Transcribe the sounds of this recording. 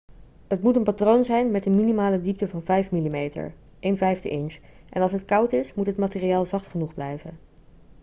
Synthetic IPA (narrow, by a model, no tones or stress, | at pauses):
ɦətmutənpatrownzɛjnmɛtənminimaːlədip̚təvɑnvɛjfmilimejtə̰ɹ | ʔejnvɛjftə̰ʔɪns | ʔɛ̰nɑlˠsɦətkɑwtɪsmutɦətmaːtɪriaːlˠzɑχtχənuχblɛ̰jvə̰n